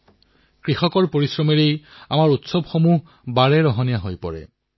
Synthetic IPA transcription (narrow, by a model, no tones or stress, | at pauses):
kɹixɔkɔɹpoɹisɹɔmeɹejamaɹutsɔbxomuɦ | baɹɛɹɔɦɔnijaɦojpɔ̰ɹɛ̰